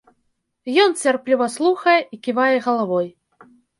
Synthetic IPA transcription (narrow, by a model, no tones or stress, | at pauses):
jɔnt͡sʲarplʲivɐslˠuxɐjɛikʲivajɛɣɐlˠavɔj